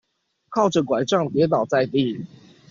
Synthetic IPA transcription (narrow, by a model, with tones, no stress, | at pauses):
kʰɑ˥˩ʊʈ͡ʂə˨˩kwa˨˩ɪʈ͡ʂɑ˥˩ŋt̪jɛ˨˦t̪ɑ˨˩ʊt͡sa˥˧ɪt̪i˥˨